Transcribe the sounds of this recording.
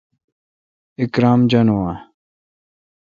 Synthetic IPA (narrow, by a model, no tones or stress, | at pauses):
ikɾaːmd͡ʑɐnowa